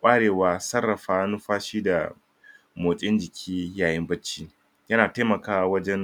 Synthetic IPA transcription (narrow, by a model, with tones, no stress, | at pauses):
kʷʼaː˦ɽeː˨waː˨sɐ˦rːɐ˨ɸaː˦nʊ˦ɸaː˦ʃiː˦da˨ | moː˨t͡ʃʼɪ˦nd͡ʒɪ˨kʲʰiː˦jaː˨jɪ˦mbɐ˦t͡ʃːiː˦ | jɐ˦naː˨ta˦jmɐ˨kaː˦wa˦wɐ˦d͡ʒɛ˦n